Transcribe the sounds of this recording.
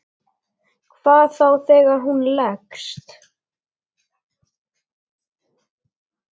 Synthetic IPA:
kʰvaːðθawθɛːɣaɾɦunlɛkst̪

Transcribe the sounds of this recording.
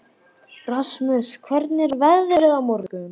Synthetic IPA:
rasmœskʰvɛɾt̪nɪɾvɛððɪɾɛɣamɔɾkʏm

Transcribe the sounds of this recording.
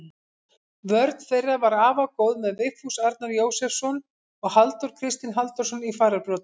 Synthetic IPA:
vœɾt̪n̥fejrːavaɾaːvakoːwðmɛðvɪkfusaɾt̪naɾjoːwsɛfsɔn | ɔɣhalt̪ɔɾ̥kʰɾɪst̪ɪnɦalt̪ɔ̥sɔnifaːɾaɾpɾɔːt̪

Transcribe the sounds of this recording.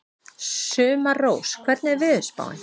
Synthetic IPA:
sʏːmaroːwskʰvɛɾt̪nɪɛɾvɪʏspa̰ːwɪ̰n

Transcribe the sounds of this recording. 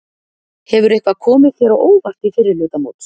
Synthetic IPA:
hɛvʏɾehkvakʰɔːmɪð̥θjɛɾaʔoːwvar̥t̪ifɪɾɪɾlʏːt̪amowt̪

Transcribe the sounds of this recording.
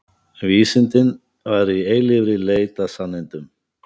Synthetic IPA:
viːsɪnt̪ɪn | vaɾieːjlɪvɾɪleːjt̪asanːɪjnt̪ʏm

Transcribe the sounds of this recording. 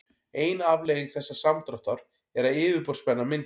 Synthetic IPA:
eːjnavleːjɣɪŋθɛsːasamt̪ɾɔht̪aɾ̥ | ɛɾaɪːvɪɾpɔɾ̥spɛnːamɪn

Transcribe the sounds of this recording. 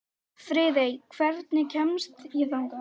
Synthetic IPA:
fɾɪðejkʰvɛɾt̪̚nɪcʰɛmst̪iðawŋka

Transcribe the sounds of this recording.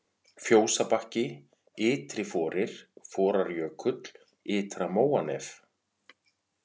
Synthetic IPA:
fjoːwsapahcɪ | ɪːt̪ɾɪfɔːɾɪɾ̥fɔːɾaɾjœːkʰʏt̪l̥ | ɪːt̪ɾamoːwanɛf

